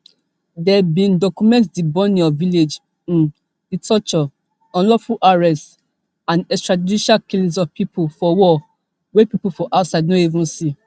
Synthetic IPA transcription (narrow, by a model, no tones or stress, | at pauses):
dɛbĩndɔkumɛ̃ntdibɔniɔviled͡ʒ | ĩn | litʰɔt͡ʃɔ | ɔ̃nlɔfulʔaɹɛst | ãnɛstɹaddiʃakilĩs̬ɔvpʰipʰufɔwɔ | wepipufɔʔatsaɪdnoivũnsi